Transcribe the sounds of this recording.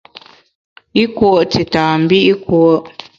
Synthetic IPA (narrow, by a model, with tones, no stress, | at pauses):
i˦kwo˦˨ʔti˨taː˨m̩˨bi˦ʔi˦kwo˦ʔ